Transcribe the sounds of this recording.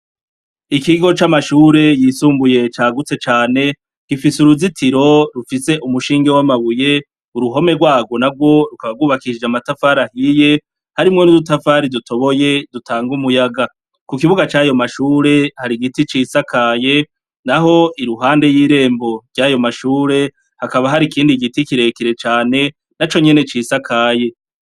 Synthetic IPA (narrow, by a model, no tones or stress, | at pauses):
ikiɡo̞t͡ʃamaʃuːɾe̞jiːsuːmbuje̞t͡ʃaːɡut͡se̞t͡ʃaːne̞ | kifisuɾuzitʰiɾo̞ɾufise̞ʔumuʃiːŋɡewamaβuje̞ | uɾuɦo̞me̞ɡwaːɡo̞nab̚ɡwo̞ɾukaβaɡuːβakid͡ʒamatafaɾahije | haɾimŋo̞nuɾutafaːɾidutʰo̞βo̞je̞dutʰaːŋɡumujaɡa | kukiβuɡat͡ʃaːjo̞maʃuːɾe̞haɾiɡitit͡ʃiːsakʰaːje̞ | naɦo̞iɾuɦaːnde̞jiːɾe̞ːmbo̞ɾɟajo̞maʃuːɾe̞ | hakaβaɦaɾikiːndiɡitikiɾe̞kiɾe̞t͡ʃaːne̞ | nat͡ʃo̞ɲe̞ne̞t͡ʃiːsakʰaːje̞